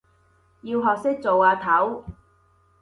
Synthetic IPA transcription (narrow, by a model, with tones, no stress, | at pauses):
jiː˧wɦɔː˨k̚sɪ˥k̚t͡so˨waː˧t̪ʰɐ˨˥w